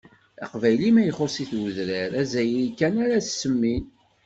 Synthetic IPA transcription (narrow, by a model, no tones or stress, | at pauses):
ɑ̰qvæjlimæjəχosiθwuðɾəɾæzæjlkːænaɾæssːəmːin